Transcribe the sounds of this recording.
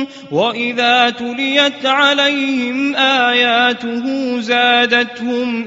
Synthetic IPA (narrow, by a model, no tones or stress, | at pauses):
waʔɪðaːt̪ʊlɪjat̪ʕalajhɪmʔaːjaːt̪ʊɦuːzaːd̪at̪hʊm